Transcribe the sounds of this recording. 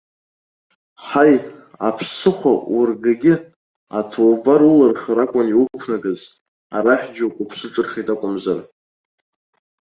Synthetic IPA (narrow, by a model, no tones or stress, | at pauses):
χaj | apʰsɨχʷaʊrɡaɡʲɪ | atʰowbaɾularχəɾakʷʼʊniwupʷʰnaɡɨz | a̰ɾaħʲd͡ʒokʷʼʊpʰsɨʈ͡ʂʼɨrχitʼakʷʼʊmzar